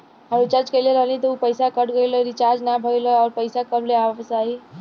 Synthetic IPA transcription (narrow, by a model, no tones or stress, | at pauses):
ɦəɾut͡ʃaɾt͡ʃkeleɾəɦlĩt̪ɔupəɪsakəʈɡəjləɾit͡ʃaɾd͡ʒnabʱəjlɔɔːɾpəɪsakəɾleabsai